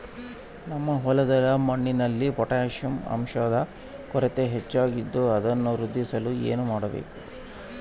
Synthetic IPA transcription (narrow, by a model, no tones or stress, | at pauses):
nɐmːɐɦɔlɐd̪ɐlɐmɐɳːinɐlːipɔʈaɐʃjɐmɐ̰mʃaːd̪ɐ | kɔɾet̪e̞ɦet͡ʃːaːɡid̪ːuɐd̪ɐnːuɾud̪ʱːisɐlueːnumaːɽɐbḛːku